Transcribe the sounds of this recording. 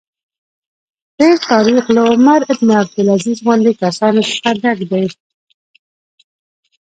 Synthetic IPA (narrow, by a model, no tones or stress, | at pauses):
t̪eɾt̪ɑɾixlaʊmaɾɪd̪neab̚d̪ɪlazizwand̪ekasɑnosə̥xad̪akd̪aj